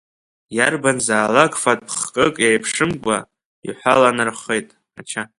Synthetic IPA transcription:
jarbanzaːlaɡfatʼpʰχkʼɨkʼjajpʰʂɨmkʷʼa̰ | ḭħʷalanɨrχejtʼ | at͡ʃʰa

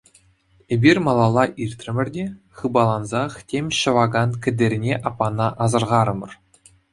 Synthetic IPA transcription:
ebʲirʲmɑlˠɑlˠɑʔirʲt̪ʲrʲɘ̆mʲɘ̆rʲdʲe | χɯbɑlˠɑnzɑχtʲemʲɕɤ̆ʋɑɡɑnkʲɘ̆dʲerʲnʲeʔɑpːɑnɑʔɑzɤ̆rʁɑɾɤ̆mɤ̆r

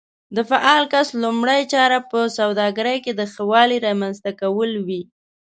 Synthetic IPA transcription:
d̪əfaʔɑlkaslʊmɽəjt͡ʃɑɾapəsawd̪ɑɡaɾəjked̪əxawɑliɾɑmanzt̪akawəlwi

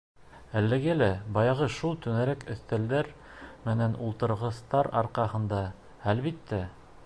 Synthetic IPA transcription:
ælːæɡælæbɑjɑʁɤʃulˠt̪ɵnæɾækɵ̆θt̪æld̪æɾ | mɘ̆nænʔulˠt̪ɤ̆ɾʁɤ̆st̪ɑɾɑ̰ɾqɑhɤ̆nd̪ɑ | ælβit̪ːæ

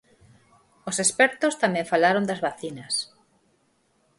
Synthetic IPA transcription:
osespɛɾt̪ost̪amẽɱfalaɾond̪azβaθinɐs

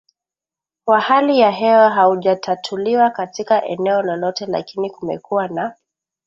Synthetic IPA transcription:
kwahalijaɦɛwaɦauʄatʰatʰuliwakatikaʔɛ̰nɛɔlɔlɔtɛla̰kinikumɛ̰kuwana

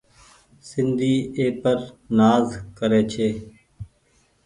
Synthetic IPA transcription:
sɪnd̪ʱiːeːpəɾnaːzkəɾeːt͡ʃʰeː

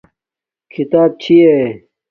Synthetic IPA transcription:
kʰit̪aːb̚t͡ɕʰie

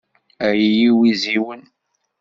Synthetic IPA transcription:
æjijiwiziwən

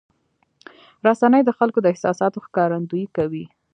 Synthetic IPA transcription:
ɾasanəjd̪əxalkod̪əɪhsɑsɑt̪oxkɑɾand̪ujikawi

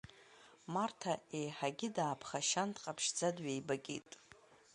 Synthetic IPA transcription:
martʰaejħaɡʲɪdaːpʰχaʃantʰʼqʼapʰʃd͡zadɥejbakʲʼḛtʼ

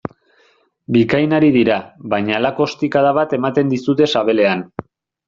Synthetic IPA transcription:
bikajnaɾiðiɾaβajɲaːlako̞st̪ikaðaβat̪e̞mat̪e̞nd̪isut̪e̞saβe̞le̞an

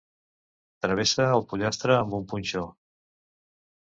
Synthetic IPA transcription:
t̪ɾəβesəːlˠpuʎast̪ɾəːmbumpunʲt͡ʃo

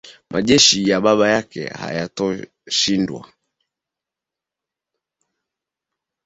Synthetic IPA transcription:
mʔaʄɛʃijaɓaɓajakɛ̰ha̰jatɔ | ʃindwa̰

